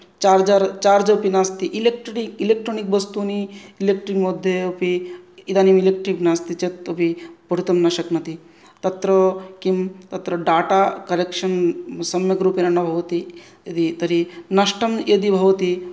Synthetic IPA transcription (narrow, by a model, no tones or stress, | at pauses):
t͡ʃaːɾd͡ʒaɾt͡ʃaːɾd͡ʒɐpinast̪iʔilek̚ʈikilek̚ʈɾoːnikʋɐst̪uniilek̚ʈɾikmod̪ʱːjeupiid̪aːnimilek̚ʈɾiknaːst̪it͡ʃet̪ːopipɐɽut̪ɐmnɐʃɐknɐt̪i | t̪ɐt̪ɾɐkimt̪ɐt̪ɾɐɖaːʈakɐɾekʃɐnsɐmjɐkɾuːpenɐnɐbʱɐʋɐt̪i | jɐd̪it̪ɐɾinɐʃʈʰɐmjed̪ibʱɐʋɐt̪i